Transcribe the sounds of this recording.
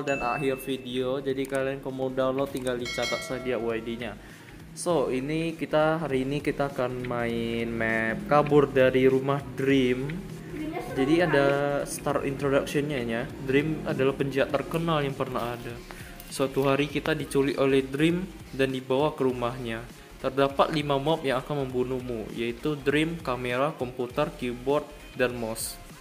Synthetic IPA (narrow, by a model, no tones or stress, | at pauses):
ldana̰ɦɪrfidiod͡ʒadikalankomodawnlok̚t̪ːiŋɡaldit͡ʃat̪aʔ̚sadiaʔwajdiɲa | soinikit̪aɦaɾiːnikit̪aːkanmaɪnmɛp̚kabʊrdaɾiɾumahdɾɪm | d͡ʒadiadast̪arḭnt̪ɾodaksiɔnɲaɲadɾɪmadalahpəɲd͡ʒiat̪ːərkənaljaŋpərnaɦada | səat̪uɦaɾikit̪adit͡ʃuliʔolɛhdɾɪm | dandibawakəɾumahɲa | t̪ərdapat̪limamɔp̚jaŋakanməmbunumṵjait̪udɾɪmkameɾakɔmput̪ərkubɔrt̪̚ | danmɔs